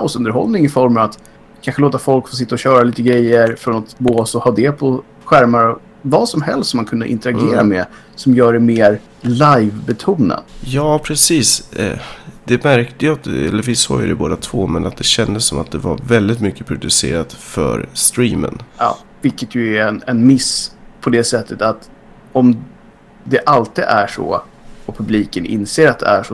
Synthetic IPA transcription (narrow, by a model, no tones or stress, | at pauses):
aʊsɵnd̪əɾɦɔ̰lnɪŋɪfɔɾmɑvat̪ | kʰanɧəloːt̪afɔlkfoːs̬ɪt̪ːaɔɕœːɾaliːt̪əɡɾɛjːəɾfɾɔnat̪boːsɔhɑːd̪ɛpʰɔ | ɧæɾmaɾ | vaːsɔmɦɛ̰lst̪sɔmːankʰɵnd̪ə̰ʔɪ̰nt̪əɾaɡeːɾa̰mɛ̰ | sɔmjœːɖɛmeːɾ | lajvbɛt̪ʰuːna̰d̪jɑːpʰɾɛsiːs | d̪̥ɛmæɾkt̪əjat̪ɛ̰lːəɾvɪsɑːjɵ̰d̪ɛboːd̪at̪ʰvoːmɛnat̪̚d̪ɛɕɛnd̪əsːɔmat̪̚d̪ɛvaɾvɛld̪ɪt̪mʏkːəpʰɾʊd̪ɵsḛːɾat̪fœ̰ɾst̪ɾiːmə̰nɑ̰ː | vɪlkːət̪ʰjɵɛnɛnmɪspʰɔd̪ɛsɛt̪ʰːət̪at̪ | ɔm | d̪ɛʔalt̪id̪æʂɔ̰ | ɔpʰɵbliːkənʔɪ̰nseːɾat̪̚d̪ɛ̰æʂɔ